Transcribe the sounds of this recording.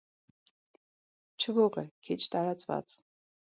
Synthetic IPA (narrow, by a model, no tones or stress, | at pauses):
t͡ʃʰəvɔʁɛ̰kʰit͡ʃʰt̪ɑɾɑt͡svɑ̰t͡sʰ